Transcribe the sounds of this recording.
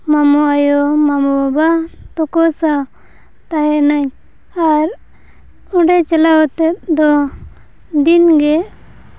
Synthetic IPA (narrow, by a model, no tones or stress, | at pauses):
mamuajɔmamuabat̪ɔkɔsa | t̪aɦɛʔnaɲ | aɾ | uɖɛt͡ʃalawɔt̪ɛt̪̚d̪ɔ | d̪inɡɛ